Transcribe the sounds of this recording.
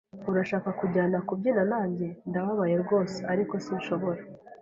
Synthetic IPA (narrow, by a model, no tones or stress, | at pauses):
uɾaʃaːkakuɟaːnakubɟinanaːɲɟe̞ndaβaβaje̞ɾɡo̞ːseaɾiko̞siuʃo̞βo̞ɾa